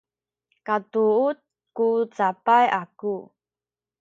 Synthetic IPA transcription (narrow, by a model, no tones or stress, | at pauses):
katuut̪̚ | kut͡sapajʔaku